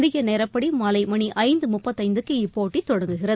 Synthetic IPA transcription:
ðɪɣɐnɛːɾɐpːɐɽimɐlɐɪmɐɳiʔɐɪnd̪ɯmʊpːɐt̪ːɐɪnd̪ɯkːeipːoːʈːit̪ːɔɽɐŋɡɯɣɪrɐ

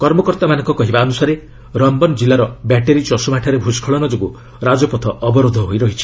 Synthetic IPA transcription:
kɔɾmɔkɔɾt̪amanɔŋkɔkɔɦibaɔnusaɾe | ɾɔmbɔnd͡ʒilaɾɔbaʈeɾit͡ʃɔsumaʈʰaɾebʱud͡ʒkʰɔɭɔnɔd͡ʒobu | ɾad͡ʒɔpɔt̪ʰɔʔɔbɔɾod̪ʱɔɦojɾɔɦit͡ʃʰi̥

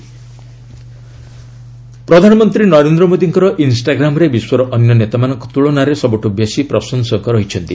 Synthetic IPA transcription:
pɾɔd̪ʱanɔmɔnt̪ɾinɔɾend̪ɾɔmod̪iŋkɔɾɔʔinsʈaɡɾamɔɾebiswɔɾɔʔɔnjɔnet̪amanɔŋkɔ̥t̪uɭɔnaɾesɔbɔʈubjesipɾɔsɔnsɔŋkɔɾɔɦit͡ʃʰɔnt̪i

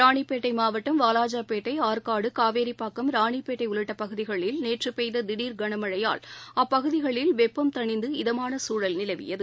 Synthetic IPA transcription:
ɾaːɳipeːʈːɐɪmaːʋɐʈːɐmʋaːlaːd͡ʒaːpeːʈːɐɪaːɾkaːɽɯkaːʋeːɾipːaːkːɐmɾaːɳipeːʈːɐɪʊɭɯʈːɐpɐɣɯðɪɣɐɭɪlneːʈrɯpɛjðɐd̪ɪɽiːɾɡɐɳɐmɐɻɐja̰ːɭɐpːɐɣɯðɪɣɐɭɪlʋɛpːɐmt̪ɐɳɪnd̪ɯɪðɐmaːnɐsuːɻɐlnɪlɐʋɪ̰jɐðɯ

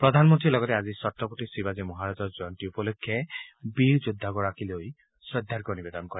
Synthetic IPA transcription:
pɾɔd̪ʱanmɔnt̪ɾilɔɡɔtead͡ʒisɔtɾɔpɔʈisibad͡ʒemɔɦaɾad͡ʒɔɾd͡ʒɔjɔntiupɔlɔkʰːjabiɾd͡ʒud̪ʱːaɡɔɾakiloj | sɾɔd̪ʱːaɾkɔnibed̪ɔnkɔɾi

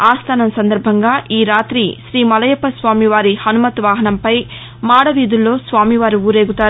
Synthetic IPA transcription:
aːst̪ʰaːnɐmsɐnd̪ɐɾbʱɐŋɡaːʔiːɾaːt̪ɾiʃɾiːmɐlɐjɐpɐsʋaːmiʋaːɾihɐnumɐt̪ʋaːɦɐnɐmpɐj | maːɽɐʋiːd̪ulːo̞ːsʋaːmiʋaːɾiuːɾe̞ːɡut̪aːɾ

